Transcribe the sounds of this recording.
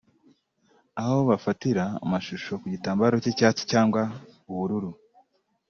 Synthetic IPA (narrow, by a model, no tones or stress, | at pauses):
aβaoβafatiɾa̰ːmaʃuʃo̞kuɟitaːmbaɾo̞cecaːt͡si̥caːŋɡwauβuɾuɾu